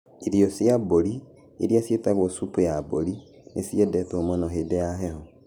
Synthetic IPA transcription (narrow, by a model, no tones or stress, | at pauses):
iɾiosjaboɾi | ḛɾiasjetaɣwɔsupujaboɾi | nesiedɛtomonɔɦeːdejaɦɛhɔ